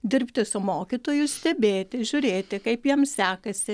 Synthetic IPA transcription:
d̪ʲɪrʲpʲt̪ʲɪsʊmoːkʲit̪oːjʊsʲt̪ʲɛbʲeːt̪ʲɪʒʲʊɾʲeːt̪ʲɪkɐɪpjiɛmsʲæːkɐsʲɪ

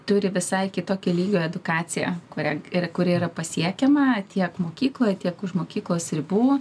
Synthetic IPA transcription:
t̪ʊɾʲɪʋʲɪsɐɪkʲɪt̪oːkʲɛlʲiːɡʲoːɛd̪ʊkɑːt͡s̪ʲɪjɛ̰kʊɾʲɛkʊɾʲɪiɾɐpɐsʲiɛkʲɛmɐt̪ʲʰiɛkmoːkʲiːklˠoːjt̪ʲiɛkʊʃmoːkʲiːklˠoːsɾʲɪbuː

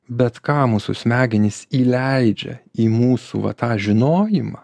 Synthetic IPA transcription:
bʲɛt̪kɑːmuːsṵsʲmʲæːɡʲɪnʲɪsiːlʲɛɪd͡ʒʲɛ̰iːmuːsṵːʋɐ̰t̪ɑːʒʲɪnoːjɪmɑ

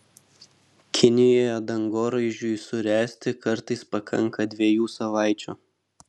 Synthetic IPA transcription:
kʲʰɪnʲɪjoːjɛd̪ɐŋɡoːɾɐɪʒʲʊjsʊɾʲæːsʲt̪ʲɪkɐɾt̪ɐɪspɐkʰɐ̰ŋˑkɐd̪ʲʋʲiɛjuːsɐʋɑˑɪt͡ʃʲṵː

